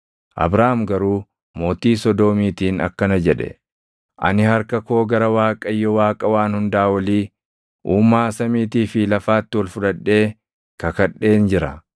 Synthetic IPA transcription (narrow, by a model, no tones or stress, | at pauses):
ʔɐ̰bɾaːmɡɐɾuː | mo̞ːt̪iːsɔd̪o̞ːmiːt̪iːnɐ̰kːɐnɐd͡ʒɛᶑɛ̰ | ʔɐ̰nɪhɐɾkɐko̞ːɡɐɾɐwaːkʼɐjːɔwaːkʼɐwaːnhʊnd̪aːwɐliː | ʔuːmːaːsɐmiːt̪iːfɪlɐfaːt̪ːɪwɐlfʊᶑɐᶑːe̞ː | kɐkɐᶑːe̞ːnd͡ʒɪɾɐ